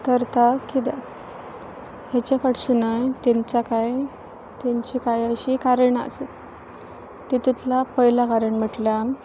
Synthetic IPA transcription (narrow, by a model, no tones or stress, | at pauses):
k̪əɾt̪akid̪a̰t̪ | hjat͡ɕafəʈsunajt̪eɲt͡sakaj | t̪jaɲt͡ɕiːkajəɕiːkaɾəɳə̰set̪ː | et̪ut̪lapəjlakaɾəɳm̤əʈlja